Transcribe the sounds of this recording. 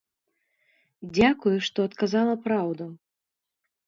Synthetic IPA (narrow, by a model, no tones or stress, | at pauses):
d͡zʲakujuʂt̪ɔɐt̪kazalˠɐpɾawd̪u